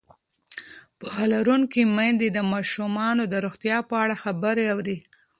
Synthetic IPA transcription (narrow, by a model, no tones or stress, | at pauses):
pɑlaɾuŋkimajnd̪ed̪əmɑʃumɑnod̪əɾoxt̪jɑpəaɽaxabəɾeawɾi